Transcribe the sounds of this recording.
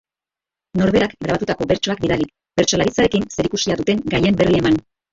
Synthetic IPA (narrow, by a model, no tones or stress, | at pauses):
no̞ɾβeɾakɡɾaβat̪ut̪ako̞be̞ɾt͡ʃo̞ak̚biðalik | b̥e̞ɾt͡ʃo̞laɾit͡sae̞kinse̞ɾikusiaðut̪e̞ŋɡaje̞mbe̞rie̞man